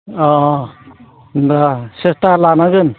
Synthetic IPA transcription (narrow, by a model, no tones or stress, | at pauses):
ɔ | ndasestalanaɡɯn